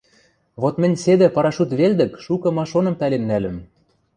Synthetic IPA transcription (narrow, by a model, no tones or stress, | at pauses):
βot̪mɘ̆nʲsed̪ɘ̆pɑɾɑʃut̪βeld̪ɘ̆kʃukɤ̆mɑʃonɤ̆mpælenːælɘ̆m